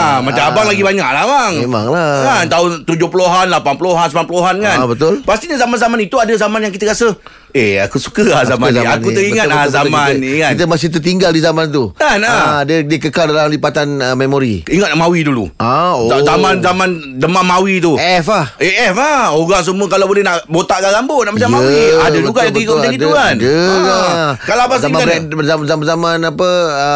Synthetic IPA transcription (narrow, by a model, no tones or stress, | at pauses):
amat͡ʃamabaŋlaɡibaɲaʔlahmaŋema̰ŋlakant̪aont̪ud͡ʒʊhpuloɦanlapanpuloɦansəmanp̬uloɦankannbət̪ʊlpast̪iɲazamanzamanit̪uadəzamanjaŋkit̪əkasə | eakusu̥kəlahzamazaanuəɾiŋat̚lazamaait̪əmas̬ɪht̪̬ərt̪iŋɡaldizamãnt̪ukanadədiəkəkaldalamlipat̪anəmemoɾḭiŋət̪̚naʔmawidulṵaozamanzamãn | dəmamawit̪̬uɛfaheɛfaoɡaŋs̬umuəkalabolɛhnaʔbot̪aʔkaɡambonaʔmat͡ʃammwiadəduɡaat̪ikoaɡid̪uɡandəakalaabaszaiãɾɛəzamzamanzamanapəə